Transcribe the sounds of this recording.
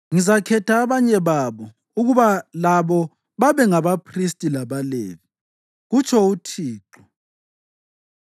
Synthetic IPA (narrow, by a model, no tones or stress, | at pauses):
ŋizakʰɛtʰaːβaɲɛβaβɔ | uɣuβalaβɔ | βaβɛŋaβapʰristʼilaβalḛːβi | ɣut͡ʃʰʼɔutʰiːǃɔ